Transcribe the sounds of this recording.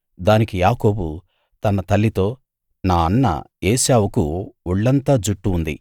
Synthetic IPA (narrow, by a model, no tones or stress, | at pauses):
d̪aːnikijaːko̞ːbu | t̪ɐnɐt̪ɐlːit̪o̞ː | naːɐnːɐ̰eːʃaːwukuuɭːɐnt̪aːd͡ʒuʈːuːnd̪ḭ